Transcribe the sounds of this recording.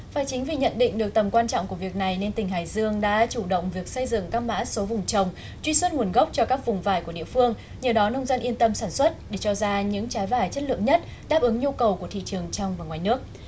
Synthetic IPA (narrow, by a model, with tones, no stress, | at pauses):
faː˧˩jt͡ɕï˨˦ŋ̟vi˨˩ɲə̰˧˨nɗḭ˧˨ŋ̟ɗɨ˨˩ək̚t̪ə˨˩mkwaː˧nt͡ɕɔ̰˧˨ŋ͡mku˧˩əvi˨˩ək̚na˨˩jne˧nt̪ï˨˩ŋ̟ɦaː˨˩jzɨ˧əŋɗa̰ː˧˥t͡ɕu˧˩ɗə̰˧˨wŋ͡mvi˨˩ək̚sə˧jzɨ̰˧˨ŋkaː˦˥ma̰ː˧˥so˨˦vʊ˨˩ŋ͡mt͡ɕə˨˩wŋ͡m | t͡ɕwi˧swə˧nŋu˨˩ənɣə˦˥wk͡p̚t͡ɕɔ˧kaː˦˥k̚vʊ˨˩ŋ͡mvaː˧˩jku˧˩əḭ˧˨əfɨ˧əŋ | ɲɨ˨˩wɗɔ˨˦nə˧wŋ͡mzə˧nʔi˧ənt̪ə˧msaː˧˩nswə˦˥t̚ɗe˧˩t͡ɕɔ˧zaː˧ɲɨ̰˧˥ŋt͡ɕaː˨˦jvaː˧˩jt͡ɕə˦˥t̚lɨ̰˧˨əŋɲə˦˥t̚ | ɗaː˦˥p̚ʔɨ˨˦ŋɲu˧kə˨˩wku˧˩ət̪ʰḭ˧˨t͡ɕɨ˨˩əŋt͡ɕɔ˧wŋ͡mvaː˨˩ŋwaː˨˩jnɨ˦˥ək̚